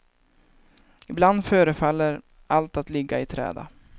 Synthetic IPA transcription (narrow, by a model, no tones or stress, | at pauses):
ɪbland̪føːɾəfalːəɾ | alt̪at̪lɪɡaɪt̪ʰɾɛ̰ːd̪a̰